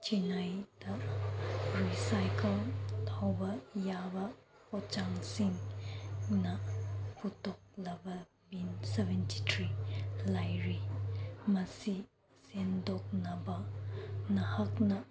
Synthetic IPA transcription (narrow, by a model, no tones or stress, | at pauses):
t͡ʃinajdɐ | ɾisajkɐltʰawbɐjabɐ | pɔt͡ʃaŋsiŋ | nɐpʰutɔk̚lɐbɐ | binsɛvɛntitʰɾilajɾi | mɐsi | sendɔk̚nɐbɐnɐhak̚nɐ